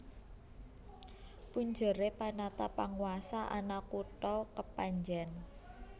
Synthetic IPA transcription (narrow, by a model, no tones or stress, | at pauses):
puɲd͡ʒəɾepanat̪apaŋwasaʔa̰nakuʈɔkəpaɲd͡ʒɛn